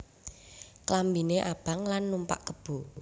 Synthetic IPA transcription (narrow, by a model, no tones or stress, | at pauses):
klambineʔab̥a̤ŋlanːumpa̰ʔkəb̥o̤